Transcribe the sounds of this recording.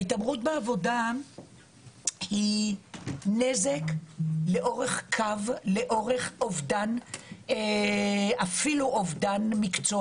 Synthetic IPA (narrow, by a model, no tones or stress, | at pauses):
itamʁutbeavo̞da | hi | nezekle̞ʔoʁeχkʰavle̞ʔoʁe̞χovdane | afiluʔovdanmikt͡so